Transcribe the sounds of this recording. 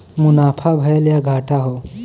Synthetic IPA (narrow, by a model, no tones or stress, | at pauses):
munapʰabʱəjeljaɡʱaʈʰaɦo